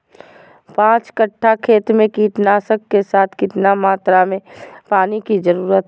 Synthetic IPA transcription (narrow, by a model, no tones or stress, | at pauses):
pãːt͡ʃkəʈʰːakʰeːt̪mẽkiːʈnaːsəkːesaːt̪ʰkɪt̪namaːt̪ɾamẽpaːnikizəɾuːɾət̪